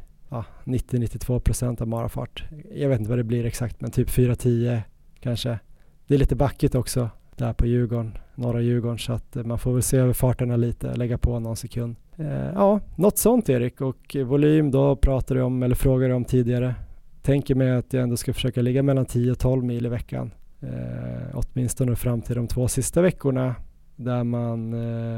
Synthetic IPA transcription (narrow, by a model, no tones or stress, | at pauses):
ɑːnɪt̪ːɪnɪt̪ːɪt̪ʰv̥oːpʰɾʊsɛnt̪avmɑːɾa̰fɑ̰ːʈja̰ɡveːt̪ɪt̪əvad̪ɛblɪɾɛksakt̪mɛnt̪ʰyːpfyːɾat̪ʰiːə | kʰanʂə | d̪̥ɛːɾliːt̪əbakːɪt̪ɔksɔd̪̥æɾpʰɔjʉ̟ːɡɔɳnɔɾajʉ̟ːɡɔɳsɔat̪manfoːɾvɛlseːøːvəɾfɑːʈəɳaliːt̪ə̰lɛɡːapʰɔnɔnsɛkʰɵnd̪ɑːnɔt̪ːsɔnt̪eːɾɪkːɔkvʊlyːmd̪ɔpʰɾɑːt̪ad̪ɪɔmɛlːəɾfɾoːɡaɾɪɔmt̪ʰiːd̪ɪɡaɾət̪ʰɛŋkəɾmɛjat̪jaɛnd̪oːskafœ̥ʂøːkalɪɡːamɛlːant̪ʰiːəɔt̪ʰɔlvmiːlɪvɛkʰːa̰n | ɔ̰t̪mɪnst̪ɔnəfɾamːt̪ʰɪld̪ɔmt̪ʰvoːsɪst̪avɛkːʊɳa | d̪æɾman